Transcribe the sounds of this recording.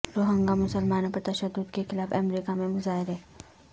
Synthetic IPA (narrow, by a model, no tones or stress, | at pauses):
ɾoːɦə̃ŋɡamʊsəlmaːnõpɐɾt̪ɐʃəd̪ːʊd̪kexɪlaːfɛmɾiːkamẽmʊzaːɦeɾɦɛː